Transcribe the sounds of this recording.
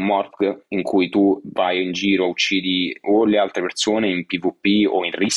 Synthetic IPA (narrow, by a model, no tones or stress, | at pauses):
mɔrkiŋkʰujt̪uvajind͡ʒiːɾout͡ʃːiːd̪iolealt̪ɾepersoːneimpivupːio̰inris